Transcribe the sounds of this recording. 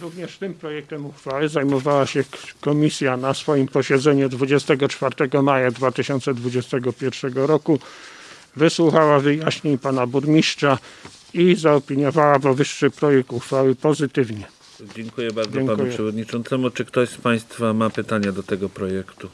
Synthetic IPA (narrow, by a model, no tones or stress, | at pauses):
ɾuvɲɛʂt̪ɘmpɾɔjɛk̚t̪ɛmuxfawɘzajmɔvawaɕɛkɔmʲisʲjanasfɔjimpɔɕɛd̪zɛɲud̪vud͡ʑɛst̪ɛɡɔt͡ʂfaɾt̪ɛɡɔmajad̪vat̪ɘɕɔnt̪sɛd̪vud͡ʑɛst̪ɛɡɔpʲjɛɾfʂɛɡɔɾɔku | vɘswuxawavɘjaɕɲeɲpanabuɾmʲiʂt͡ʂa | izaɔpʲiɲɔvawavɔvɘʂːɘpɾɔjɛk̚t̪uxfawɘpɔzɘt̪ɘvɲɛ | d͡ʑɛŋkujɛbaɾd̪zɛŋpanujpʂɛvɔd̪ɲit͡ʂɔnt̪sɛmut͡ʂɘkt̪ɔɕspaj̃st̪famapɘt̪aɲad̪ɔt̪ɛɡɔpɾɔjɛkt̪u